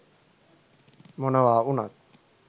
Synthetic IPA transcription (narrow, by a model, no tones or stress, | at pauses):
monawaːuna̰t̪̚